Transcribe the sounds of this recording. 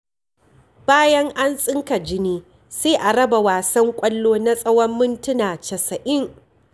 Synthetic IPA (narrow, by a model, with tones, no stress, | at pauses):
b̥aː˦jɐ˦ŋʔa˦nsʼɪ˦ŋka˨d͡ʒɪ˦niː˦ | seː˦ʔa˨ɽɐ˦ba˨waː˨sɐ˦ŋkʷʼɐ˦lːoː˦na˦sʼɐ˦wɐ˦mːʊ˦ntʊ˦naː˨t͡ʃɐ˨sɐ˨ʔɪ˦ŋ